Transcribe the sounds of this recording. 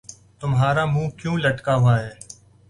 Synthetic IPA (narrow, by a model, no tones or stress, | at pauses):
t̪ʊmɦaːɾaːmũːkjũːləʈkaːɦʊaːɦeː